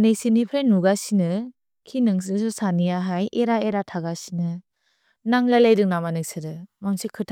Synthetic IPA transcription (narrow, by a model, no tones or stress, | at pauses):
nesinipʰɾenːuɡasinɯ | kʰinɯŋsɯsusaniaɦajʔeɾaeɾatʰaɡasinɯ | naŋlalejdɯŋ̚namanɯsɯɾɯmamsʰikʰɯtʰ